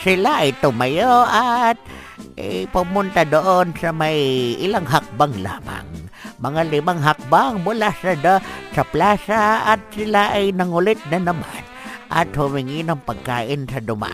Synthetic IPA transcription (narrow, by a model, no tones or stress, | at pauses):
sɪlaʔajt̪ʊmajoat̪̚ | ʔa̰jpʊmʊnt̪ad̪oʔonsamajʔɪlaŋɦak̚baŋla̰ːma̰ŋmɐŋalɪmaŋɦak̚baŋbʊlasad̪asaplaːsaat̪̚sɪlaʔajnaŋʊlɪt̪̚nanama̰n | ʔa̰t̪hʊmɪŋinoŋpaɡ̚kaːʔɪnsad̪ʊma̰